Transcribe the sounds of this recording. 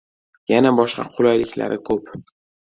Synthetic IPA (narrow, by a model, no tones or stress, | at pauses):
janabɒʃqɑ̰qʰʊlˠɒjlɪkʲʰla̰ɾɪkʰɵp